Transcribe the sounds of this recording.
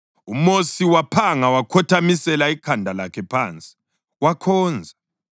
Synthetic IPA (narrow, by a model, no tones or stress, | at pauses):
umosiwapʰaŋawakʰɔtʰamisɛlaikʰandʱalakʰɛpʰaːnt͡sʼi̥ | wakʰɔːnd͡zʱa